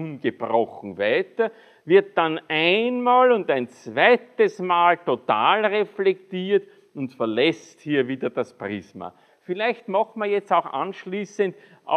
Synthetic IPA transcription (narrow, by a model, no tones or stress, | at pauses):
unɡ̥əb̥ʁɔxŋ̩væɪtɐ | vɪɐt̚d̥anʔæɪnmaːlʊndæɪnt͡svæɪtəsmaːltotaːlʁeflɛktiːɐt | ʊntfɐɐlɛsthiːɐviːdɐdaspʁiːsma̰ | fɪlæɪçtmaxtmɐjɛt͡stɑʊxʔã̰nʃliːsənt | ʔa̰